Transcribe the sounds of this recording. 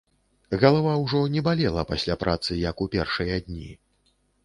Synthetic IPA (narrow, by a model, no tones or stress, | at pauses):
ɣɐlˠavawʐɔnʲɛbalʲɛlˠɐpasʲlʲapɾʔat̪sɨjɐkupʲɛrʂɨjɐd̪ʲnʲḭ